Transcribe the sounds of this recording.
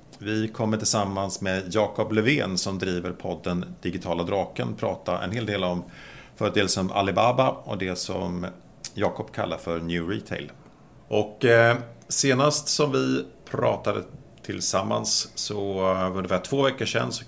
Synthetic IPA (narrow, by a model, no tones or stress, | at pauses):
vɪkʰɔmːəʈɪlsamːansmejɑːkɔplɵveːnsɔmd̪ɾiːvəɾpʰɔd̪ːənd̪̥ɪɡɪt̪ʰɑːlad̪ɾɑːkə̰npʰɾɑːt̪aʔɛ̰nheːld̪eːlɔm | fœːɾət̪ʰeːlsənʔa̰lɪbaːbaɔ̰d̪ɛsɔ̰m | jɑːkɔpkʰa̰lːaɾfœɾnjʉːɾit̪ʰɛ̰ɪl | ʔɔk | seːnast̪sɔmvɪpʰɾɑːt̪ad̪ə | t̪ʰɪlsamːa̰nssɔvɵɖəvɪat̪ʰv̥oːvɛkːəʂɛ̰nːsɔ